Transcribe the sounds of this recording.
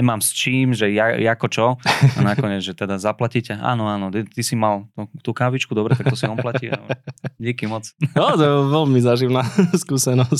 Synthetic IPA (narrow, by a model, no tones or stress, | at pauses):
ɛmaːmst͡ʃiːmʒɛjajakɔt͡ʃɔa̰nakɔɲɛd͡zʒɛt̪ɛd̪azaplacicɛʔa̰ːnɔaːnɔt̪t̪isimalt̪ɔt̪ukaːʋit͡ʃkud̪ɔbɾɛt̪akt̪ɔsiɔmplacia̰dikimɔt͡sɔt̪ɔʋɛlmizaʒiʋnaskuːsɛnɔs